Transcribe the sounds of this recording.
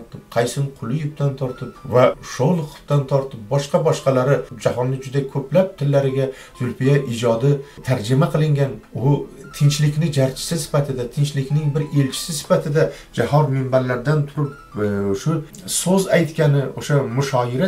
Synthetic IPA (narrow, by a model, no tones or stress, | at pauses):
ɾtt̪ʰɪp̚qʰɑjsɪnqʰʊlˠɪjɪp̚t̪ʰant̪ʰɒɾt̪ʰɪpvaʃolˠqʰʊ̥pt̪ant̪ʰɒɾt̪ʰɪp̚bɒʃqɑbɒʃqɑlaɾɪd͡ʒahɒnːɪd͡ʒʊd̪akʲʰɵplap̚t̪ʰɪlːaɾɪɡʲa | zʊlˠfijaʔɪd͡ʒɒd̪ɪt̪ʰaɾd͡ʒɪmaqʰɨlˠɪŋɡʲanʊt̪ʰɪnt͡ʃlɪkʲnɪd͡ʒaɾt͡ʃʰɪ̥sɪsɪ̥fat̪ʰɪd̪at̪ʰɪnt͡ʃlɪkʲnɪŋbɪɾe̞lt͡ʃʰɪ̥sɪsɪ̥fat̪ʰɪd̪a | d͡ʒahɒd̪mɪmbaɾlaɾd̪ant̪ʰʊɾɪp | ʃʊ | sozajt̪kʲanɪoʃamʊʃɒɪɾa